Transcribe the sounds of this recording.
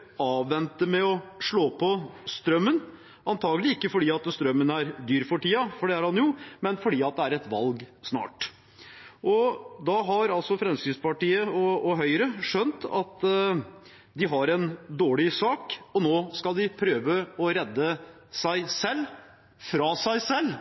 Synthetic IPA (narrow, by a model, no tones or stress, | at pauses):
ɑːʋʋɛnt̪əmɛɔʂɭoːpʰɔst̪ɾœmːən | ʔɑnt̪ʰɑːɡəlɪɪkːəfɔɖiːɑt̪st̪ɾœmːənæɾd̪yːɾfɔʈiːɑfɔɖɛæɾhɑnjʊmɛnfɔɖiːɑt̪̚d̪ɛæɾɛt̪ʋɑ̰lɡsnɑ̰ːʈ | ʔɔd̪ɑɦɑɾɑlsɔfɾɛmskɪspɑʈiːəɔɔɦœʏɾəʂœnt̪ɑ̰t̪ | d̪ɪɦɑɾɛnd̪oːɭɪsɑːkɔnoːskɑlˠd̪ɪpʰɾøːʋəɔɾɛd̪ːə | sæɪsɛlː | fɾɑːsæɪsɛlː